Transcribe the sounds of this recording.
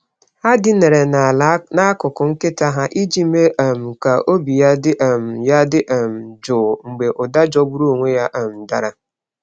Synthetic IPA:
ha˦dɪ˦ne˨ɾe˨na˨na˦a˦kʊ˨kʊ˨ŋ̩˦kɪ˦ta˦ɦa˦ʔi˦d͡ʒi˦me˦ʔa˨m̩˨ka˨o˦bi˨ja˦dɪ˦ʔm̩˨ja˦dɪ˦ʔm̩˨d͡ʒʊː˨ŋ̩˨ɡ͡be˨ʔʊ˨da˦d͡ʒɔ˦bu˦ɾu˦o˨ŋʷe˦ja˦ʔm̩˨da˦ɾa˦

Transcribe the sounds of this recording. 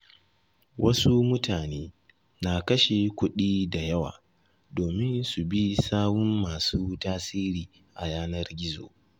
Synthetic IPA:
wʔɐ˦su˦mʊ˦taː˨neː˦ | na˨kɐ˦ʃe˨kʷʊ˦ɗiː˦da˨jɐ˦wa̰ː˨ | doː˨mɪ˦nsu˨bi˦saː˦mʊ˦mːaː˨suː˦taː˦siː˦ɾiː˨ | ʔa̰˨jaː˦nɐ˦rɡʲɪ˦zo̰ː˨

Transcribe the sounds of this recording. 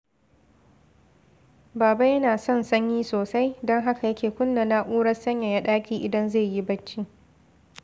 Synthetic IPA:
baː˨ba˦jɐ˦naː˨sɔ˦˨nsɐ˦ɲjiː˦soː˨sa˦jdɔ˦ŋɦa˦ka˨jɐ˦kʲeː˨kʷʊ˦nːɐ˨na˦ʔʷuː˦ɽɐ˦sɐ˦ɲja˨ja˦ɗaː˦kʲiː˦ʔɪ˨dɐ˦nze˦˨ji˦bɐ˦t͡ʃːi˦

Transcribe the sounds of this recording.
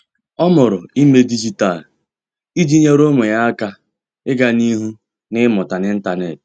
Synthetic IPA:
ɔ˦mʊ˨ɾʊ˨i˦me˦di˦d͡ʒi˦ta˦˨l | i˦d͡ʒi˦ɲe˦ɾo˦ŋʷe˨ja˦a˦ka˦ | ɪ˦ɡa˦ni˦ɦu˦ | nɪ˦mʊ˨ta˨nɪ˦n̩˦ta˨ne˨t

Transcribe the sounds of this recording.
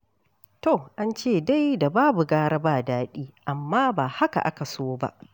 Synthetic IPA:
to˨ʔa˦nt͡ʃeː˦˨da˦jda˨baː˦bu˨ɡaː˦ɽa˦baː˦˨daː˦ɗiː˦ʔa˨mːaː˦baː˨ha˦ka̰˨ʔa̰˦ka˨soː˦ba̰˦ʔ

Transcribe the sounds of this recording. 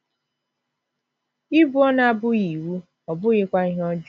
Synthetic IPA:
i˦bu˦ɔ˦na˦bʊ˦i˨wu˦ | ɔ˨bʊ˦ɣɪ˦kʷa˦i˦ɦɔ˦d͡ʒ

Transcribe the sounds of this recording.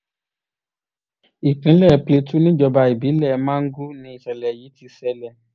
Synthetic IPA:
i˨kĩ˨˦lɛ˦˨˦ple˧tu˦nĩ˦d͡ʒɔ˧ba˧i˨bi˨˦lɛ˦˨mã˦ŋ̩˦ɡu˦nĩ˨˦i˦˨ʃɛ˨lɛ˨ji˨˦ti˧sɛ˧lɛ˨

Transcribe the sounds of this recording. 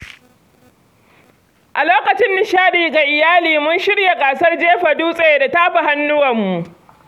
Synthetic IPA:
ʔa˨loː˦kɐ˨t͡ʃɪ˦nːɪ˨ʃaː˦ɗiː˨ɡa˨ʔɪ˨jaː˦liː˨mʊ˦nʃɪ˦ɽja˨kʼaː˨sɐ˦rd͡ʒeː˦ɸa˨duː˦sʼe˨da˨taː˦ɸa˨ha˦nːʊ˦wɐ˨mːu˨ʔ

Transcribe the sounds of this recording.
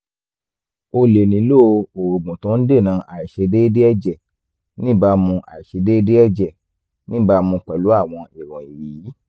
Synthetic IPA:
o˧le˨nĩ˨˦lo˦˧o˨o˨ɡ͡bũ˨tũ˨˦n̩˦de˦˨nã˨˧˦ʔa˨i˨ʃe˧de˦de˦ɛ˦˨d͡ʒɛ˦˨ | nĩ˦ba˧mũ˧ʔa̰˨i˨ʃe˧de˦de˦ɛ˦˨d͡ʒɛ˨ | nĩ˦ba˧mũ˧k͡pɛ˨lu˨˦a˦˨w̃ɔ̃˧i˨ɾɔ̃˨i˨ɾi˨i˨˦

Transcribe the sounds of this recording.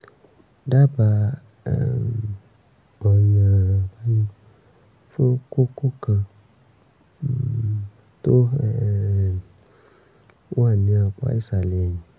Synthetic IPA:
ɖa˦ba̰˨ | ɡ͡bɔ˨ɲã˨ba˦ɲĩ˦ | fe˦ko˦ko˦kã˨ | t̪o˦˨ | wo˦a˨nĩ˨˦a˨k͡pa̰˦i˦sa˨le˨a˨ɲĩ˨

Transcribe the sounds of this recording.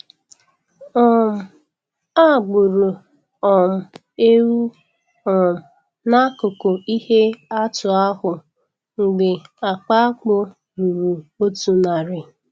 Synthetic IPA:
ɔ˦˨m̩˨ | a˦˨ɡ͡bʊ˨ɾu˨ | ɔ˨m̩˨ | e˦ɾu˦ | ɔ˨m̩˨ | na˦kʊ˨ko˨i˦he˦a˦tʊ˨a˦ɦʊ˨ | ŋ̩˨ɡ͡be˨a˨k͡pa˦k͡pʊ˦ | ɾu˨ɾu˨o˦tu˨na˨ɾɪ˨

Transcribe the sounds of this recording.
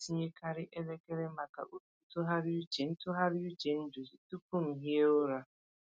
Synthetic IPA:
si˦ɲe˦kʰa˦ɾɪ˦ʔe˦le˦ke˦ɾe˦ma˨ka̰˨ʔu˦tu˨˦tʊ˦ɦa˦ɾɪ˦u˦t͡ʃe˨n̩˦tʊ˦ɦa˦ɾɪ˦u˦t͡ʃe˨n̩˦d͡ʒo˨zi˨tu˦pu˦ŋ̩˨ɦi˦e˦ʊ˦ɾa˦

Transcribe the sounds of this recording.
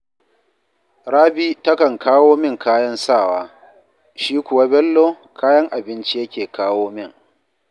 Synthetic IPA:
ɽaː˦bi˦tɐ˦kɐ˨ŋkʰaː˦woː˦mɪ˦˨ŋkaː˦jɐ˦nsaː˦˨waː˦ | ʃiː˦kʷʊ˨wa˦bɛ˦lːoː˦ | kʰaː˦jɐ˦ŋʔa˨bɪ˦nt͡ʃi˦jɐ˦kʲeː˨kaː˦woː˦mɪ˦˨ŋ

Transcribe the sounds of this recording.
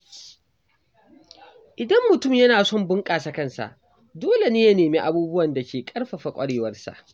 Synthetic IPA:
ʔɪ˨dɐ˦mːʊ˨tʊ˦˨mjɐ˦naː˨sɔ˦˨mbʊ˦ŋkʼaː˨sɐ˨kɐ˦nsa̰˨ʔ | doː˦le˨neː˦ja˦neː˨meː˦ʔa˨buː˦bʊ˦wɐ˨nda˨kʲʰeː˨kʼɐ˦rɸa˨ɸa˨kʷʼɐ˦ɽeː˦˨wɐ˦rsa̰˨ʔ

